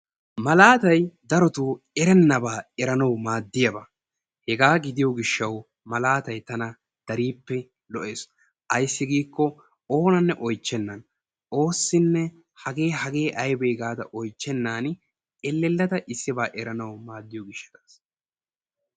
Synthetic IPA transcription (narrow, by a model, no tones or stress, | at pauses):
mɐlaːt̪ɐjd̪ɐɾɔt̪uː | ɛɾɛnːɐbaːɛɾɐnɐwmaːd̪ːɪjɐba | hɛɡaːɡɪd̪ɪjɔɡɪʃːɐw | mɐlaːt̪ɐjt̪ɐnɐ | d̪̥ɐɾiːpːɛ | lɔʔe̞ːs | ʔɐjsːɪɡiːkːɔ | o̞ːnɐnːɛʔɔjt͡ʃːɛnːɐn | o̞ːsːɪnːɛ | hɐɡe̞ːhɐɡe̞ːʔɐjbeːɡaːd̪ɐ̰ʔɔjt͡ʃːɛnːaːn | ɛlːɛlːɐt̪ɐʔɪsːɪbaːʔɛɾɐnɐwmaːd̪ːɪjoɡɪʃːɐ̥d̪aːs